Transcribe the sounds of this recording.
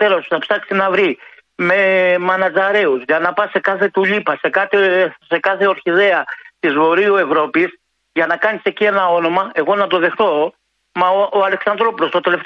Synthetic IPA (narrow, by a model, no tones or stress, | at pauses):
t̪elosu̥θɐpsɐksinɐvɾi | me̞mɐnɐt͡sɐɾe̞uzʝɐnɐpɐse̞kɐθe̞t̪uʎipɐse̞kɐt̪ese̞kɐθe̞o̞ɾçiðe̞ɐt̪izvo̞ɾiue̞vɾo̞pis | ʝɐnɐkɐnise̞cie̞nɐo̞no̞mɐe̞ɣo̞nɐt̪o̞ðe̞xt̪o̞ | mɐoɐle̞ksɐnd̪ɾo̞pulo̞st̪ot̪e̞le̞f